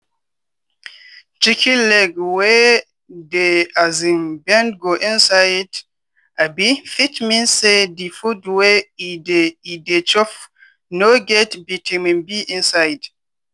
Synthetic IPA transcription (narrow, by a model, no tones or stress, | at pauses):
t͡ʃikʰilɛɡwɛ | deazĩnbɛ̃nɡoʔĩnsajd | abifitmĩnsedifudweideidet͡ʃɔf | noɡɛtbitʰĩmĩnbiʔĩnsajd